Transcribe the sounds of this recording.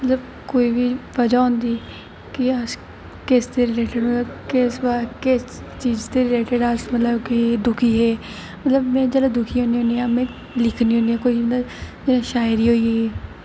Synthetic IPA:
mət̪ləb | koːiːbiːʋəd͡ʒaːɦʊ̃nd̪iː | kɪəs | kɪst̪eːɾɪleːʈəɖɦõːnd̪aːkɪsbaːkɪs | t͡ʃiːd͡ʒt̪eːɾɪleːʈəɖəsmət̪ləbkid̪ʊkʰiːɦɛː | mət̪ləbmɛ̃ːd͡ʒəlad̪ʊkʰiːɦõːnd̪iːõːnd̪iːaːmɛ̃ː | lɪkʰniːõːnd̪iãːkoːiəd͡ʒelãʃaːjɾiːɦoːieː

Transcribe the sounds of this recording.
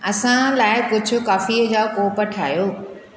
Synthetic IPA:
ɐsãlaːɪkʊd͡ʑʱʊ̆kaːfiːd͡ʑaːkoːpəʈʰa̰ːjoː

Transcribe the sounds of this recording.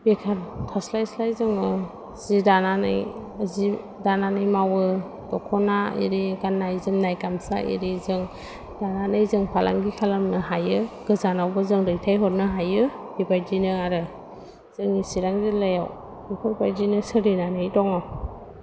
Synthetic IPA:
bekʰaɾkʰaslajslajzɯŋɯ | z̥idananɯ̰j | zi | dananɯjmawɯ | d̥ɔkʰɔnaḭɾiɡanːajzɯmnajkamsa̰ʔḭɾizɯŋ | d̥ananɯjzɯŋpʰala̰ŋɡikʰalamnɯɦajɯɡ̥ɯzanawbɯzɯŋɾɯjtʰajɦɔt̚nɯɦajɯ | dibajdinɯaɾɯ | z̥ɯŋisiɾaŋzilajaw | bikʰɔɾbajdinɯsɯɾinanɯjdɔŋɔ

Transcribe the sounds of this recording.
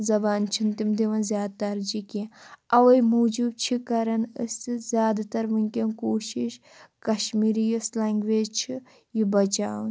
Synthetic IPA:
zɐbaːnt͡ʃʰint̪imd̪iʋɐnzjaːd̪̚t̪ɐɾd͡ʒikĩɐʋɐjmuːd͡ʒub̚t͡ʃʰikɐɾɐnɨszʲjaːd̪t̪ɐɾʋɨnʲkʲenkoːʃiʃ | kɐʃmiːɾijislaŋɡʋeːd͡ʒt͡ʃʰi | jibɐt͡ʃaːn

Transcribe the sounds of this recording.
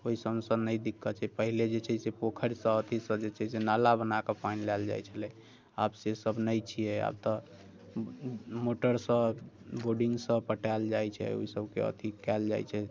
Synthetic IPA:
oisəmsəd̪nəjd̪ikʰːət͡ʃʰɛpəɦiled͡ʒet͡ʃʰɛsepokʰəɾsə̃ət̪ʰisə̃d͡ʒet͡ʃʰɛsenalabənakepajnlɛld͡ʒa̰jt͡ʃʰəlɛ | a̰bsesəbnəjt͡ʃʰijɛa̰b̚t̪ɔ | moʈəɾsə̃ | boɖiŋɡsə̃pəʈɛld͡ʒajt͡ʃʰɛ̰o̰isəbkḛə̰t̪ʰikɛld͡ʒa̰jt͡ʃʰɛ

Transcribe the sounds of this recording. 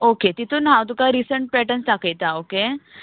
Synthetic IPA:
oket̪it̪ʰuːnɦãwt̪̬ukaɾisəɳʈ̚pɾeʈənst̪akʰəjt̪aoke

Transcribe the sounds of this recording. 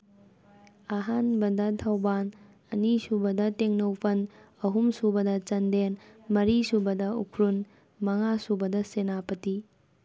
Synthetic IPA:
ɐɦanbɐdɐtʰawban | ɐnisubɐdɐteŋnɐwpʰɐn | ɐɦumsubɐdɐt͡ʃɐndenmɐɾisubɐdɐṵkʰɾun | mɐŋasubɐdɐsenapɐti

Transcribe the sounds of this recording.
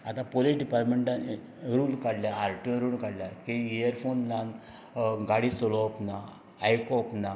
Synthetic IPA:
a̰t̪ãpoliʈɖipaɾmeɳʈã | ɾuːlkaɽljaaɾʈjunɾuːlkaɽljakeejəɾfonːan | ɡaɽisɔlɔpnaː | jkɔpna

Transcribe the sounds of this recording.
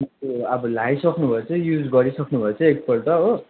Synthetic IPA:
mʌoʌbʌlajsʌknubʱʌet͡sʌ̃jud͡zɡʌɾisʌknubʱʌet͡sʰʌ̃ek̚pʌlʈ̪ʌo

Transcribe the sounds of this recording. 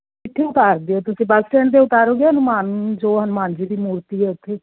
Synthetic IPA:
ɪt̪ʰːeːʊt̪aːɾd̪eːoːt̪ʊsĩːbəlʈɛːɳd̪eːʊt̪aːɾoːɡeːɦənʊmaːnd͡ʒoːɦənmaːnd͡ʒiːd̪iːmuːɾt̪iːɦɛːʊt̪ʰːeː

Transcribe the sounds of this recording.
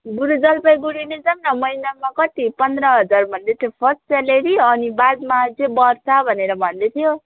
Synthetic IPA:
ɡuɾud͡zʌlpʌjɡuɽined͡zʌmnʌmʌjnamakʌt̪ipʌnd̪ɾʌɦʌd͡zarbʱʌnd̪et̪ʰjopʰʌssaleɾiʌnibad̪mad͡zebʌrsabʱʌneɾʌbʱʌnd̪et̪ʰijo

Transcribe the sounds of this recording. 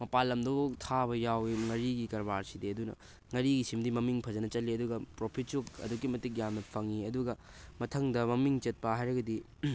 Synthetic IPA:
mɐpalːɐmdotʰabɐjawiŋɐɾiɡikɐɾbaɾsidiɐdunɐ̰ | ŋɐɾiɡisimdimɐmiŋpʰɐd͡ʒɐnɐt͡ʃɐliɐduɡɐpɾopʰit̚t͡ʃuk̚ɐ̰duk̬ːimɐtik̚jamnɐpʰɐŋiɐduɡɐ | mɐtʰɐŋdɐmɐmiŋt͡ʃɐt̚pɐɦajɾɐɡɐdi

